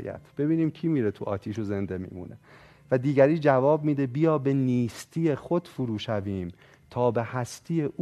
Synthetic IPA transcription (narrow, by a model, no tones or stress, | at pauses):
jæ̰t̪ʰb̥e̞biːniːmcʰiːmiːɾet̪ʰuʔɒ̰ːt̪ʰiːʃoze̞nd̪e̞mḭːmṵne | væd̪iːɟæɾiːd͡ʒævɒːb̚miːd̪e̞bijɒːbeniːst̪ʰiːje̞xod̪fuɾuːʃæviːm | t̪ʰɒːbe̞hæst̪ʰijeʔu